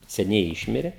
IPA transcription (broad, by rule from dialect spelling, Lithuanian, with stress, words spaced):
sʲɛˈnʲɛɪ ˈɪʃʲmʲɪrʲɛ